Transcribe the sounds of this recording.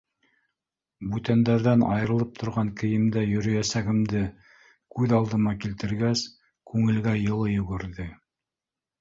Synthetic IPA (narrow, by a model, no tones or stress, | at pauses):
bʉt̪ænd̪æɾðænɑ̰jɤ̆ɾɤ̆lˠɤp̚t̪ʰŏɾʁɑŋkɘ̆jɘ̆md̪æjɵ̆ɾɵ̆jæsæɡɘ̆md̪ɘ | kʉðɑlˠd̪ɤ̆mɑkilt̪ɘ̆ɾɡæs | kʉŋɘ̆lɡæjɤ̆lˠɤjɵ̆ɡɘ̆ɾðɘ